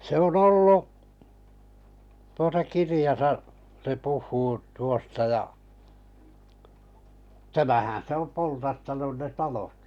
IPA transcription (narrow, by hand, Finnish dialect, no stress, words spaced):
se on olːu tuotɑ kirijɑsɑ se puhˑuː tuostɑ jɑ tæmæhæ̃ː se om poltɑtːɑnun ne tɑlot